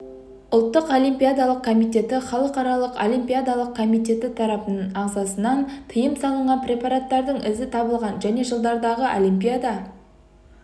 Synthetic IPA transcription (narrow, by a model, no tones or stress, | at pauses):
ʊlˠt̪ːəqo̞lʲimpʲijad̪ɑlˠəq̚kʰo̞mijt̪ʲe̞t̪ɪχɑlˠəqɑɾɑlˠəqolimpʲijad̪ɑlˠəq̚kʰomit̪̬ʲe̞t̪ɪt̪ʰɑɾɑpənənɑʁzɑsənɑnt̪ʰəjəmsɑlˠəɴʁɑnprʲe̞pɑɾat̪ːɑɾd̪əɴɪzɪt̪ʰɑbəlˠʁɑnʒæne̞ʒəlˠd̪ɑɾd̪ɑʁəʔolʲimpʲijad̪ɑ